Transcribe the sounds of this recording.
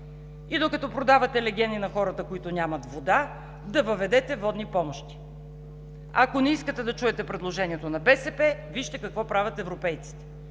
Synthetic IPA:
id̪okɐt̪ɔpɾod̪avɐt̪ɛlɛɡʲɛnd̪inɐxɔɾət̪əkoit̪ʊnʲamɐt̪vod̪a | d̪ɐvɐvɛd̪ɛt̪ɛvɔd̪nipɔmoʃt̪i̥ | akonɛiskət̪ɛd̪ɐt͡ʃuɛt̪ɛpɾɛd̪lˠoʒɛnʲiɛt̪onɐbɛsɛpɛviʃt̪ɛkɐkvɔpɾavʲɐt̪ɛvɾopɛjt̪si̥t̪ɛ̥

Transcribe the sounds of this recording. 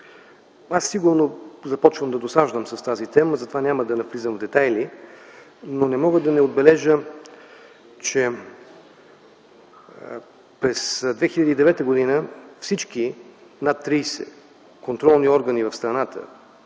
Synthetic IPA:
asːiɡuɾnozɐpɔt͡ʃvəmd̪ɐd̪osaʒvəmsɐst̪azit̪ɛməzɐt̪ovanʲaməd̪ɐnɐflizəmvd̪ɛt̪ajli | nonɛmɔɡəd̪ɐnɛod̪̚bɛlɛʒə | t͡ʃɛ | pɾɛsd̪vɛxilʎʲɐd̪iːd̪ɛvɛt̪əɡod̪inəfsit͡ʃkinat̪ːɾijsɛ̰ | kont̪ɾɔlˠniɔɾɡənivɐfst̪ɾɐnat̪ə̰

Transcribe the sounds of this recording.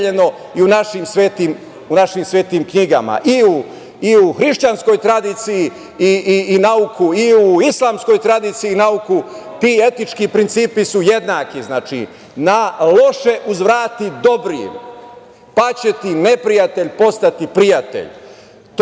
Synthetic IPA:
ʎeno̞ | iunaʃimsʋeːt̪iːm | unaʃimsʋeːt̪imkɲiɡa̰ma̰ʔiu | iuxɾiʃt͡ɕansko̞jt̪ɾad̪iːt̪siji | iːnaukʰuiuislˠaːmsko̞jt̪ɾad̪iːt̪sijinauku | t̪iːe̞t̪it͡ʃkipɾint̪siːpisuje̞d̪naːkiznaːt͡ʃḭ | nalo̞ʃe̞ʔuzʋɾaːt̪id̪o̞bɾḭm | pat͡ɕet̪ine̞pɾijat̪eʎpo̞st̪at̪ipɾijat̪ḛʎ | t̪

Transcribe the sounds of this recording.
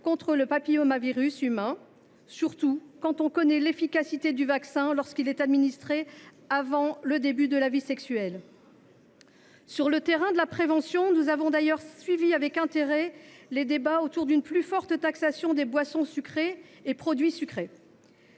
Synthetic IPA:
kɔ̃t̪χələpapijɔmaviʁysymɛ̃ | syʁt̪ukɑ̃t̪ɔ̃kɔnɛlefikʲasit̪ed̪yvaksɛ̃lɔʁskilɛt̪ad̪minist̪χe | avɑ̃ləd̪ebyd̪əlavisɛksyɛl | syʁlət̪eʁɛ̃d̪əlapχevɑ̃sjɔ̃nuzavɔ̃d̪ajœʁsɥiviavɛkɛ̃t̪eʁɛled̪ebaot̪uʁd̪ynplyfɔʁt̪t̪aksasjɔ̃d̪ebwasɔ̃sykχeː | pχɔd̪ɥisykχe

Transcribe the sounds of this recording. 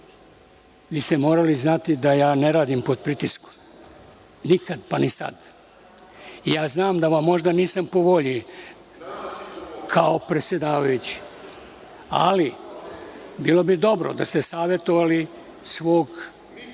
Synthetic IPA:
ʋiːst̪emo̞ːɾaliznat̪id̪ajaːne̞ɾaːd̪impo̞d̪pɾit̪isko̥m | nikad̪panisa̰d̪ | ijaːznaːmd̪aʋamːo̞ʒd̪aniːsampo̞ʋo̞ʎi | kʰaopɾe̞t̪sje̞d̪aːʋajut͡ɕi̥ | a̰li | biːlo̞bid̪o̞bɾo̰d̪ast̪esaːʋjet̪o̞ʋali | sʋo̞ːɡ

